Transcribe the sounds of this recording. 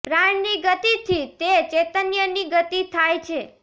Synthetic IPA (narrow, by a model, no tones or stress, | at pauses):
pɾaɳniɡət̪it̪ʰit̪et͡ʃet̪ənjəniɡət̪it̪ʰajt͡ʃʰe